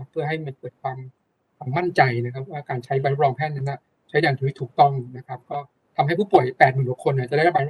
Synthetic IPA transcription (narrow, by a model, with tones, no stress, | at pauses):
pʰːɯ˥˩əɦa˥˩jma˧˩kɤː˨˩t̪̚kʰwaː˧m | kʰwaː˧mːa˥˩nt͡ɕa˧jna˦˥kʰa˦˥p̚waː˥˩kaː˧nt͡ɕʰa˦˥jba˧nɾo˥p̚ɾɔː˧ŋpʰɛː˥˩t̪̚na˦˥na˧˩ | t͡ɕʰa˦˥jdaː˧ŋt̪ʰːtʰi˥˩t̪ʰuː˨˩k̚t̪ɔ˥˩ŋna˦˥kʰa˦˥p̚kɔː˥˩ | t̪ʰa˧mha˥˩jpʰuː˥˩pu˨˩əjpɛː˨˩t̪̚mɯ˨˩nd̪u˨˩kʰːo˧nːa˨˩t͡ɕa˨˩da˥˩˦ba˧˦˥